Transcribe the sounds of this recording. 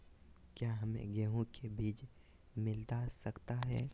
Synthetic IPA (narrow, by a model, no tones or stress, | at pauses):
kjaːɦɐmḛ̃ɡeːɦõkʰebiːt͡ʃ | mɪlt̪asɐkt̪aɦɛː